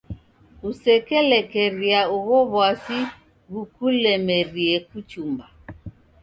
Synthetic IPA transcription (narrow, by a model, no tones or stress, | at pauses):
usɛkɛlɛkɛɾiauβɔβwasi | ɣukulɛmɛɾiɛkut͡ʃumba